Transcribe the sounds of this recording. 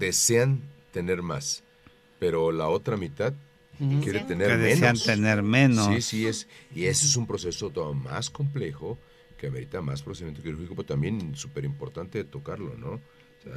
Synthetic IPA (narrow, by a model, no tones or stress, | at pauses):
d̪e̞se̞ant̪e̞ne̞ɾmas | pe̞ɾo̞lao̞t̪ɾamit̪að | kjeɾet̪eneeðeesneant̪eneɾmenossisiesie̞soes̬umpɾo̞se̞sot̪oma̰sko̞mple̞xo | keameɾit̪amaspɾoseimjent̪oiɾuɾxikopeɾot̪ambje̞nsupe̞ɾimpo̞ɾt̪ant̪e̞t̪o̞kaɾlo̞̰no̞̰ | sea̰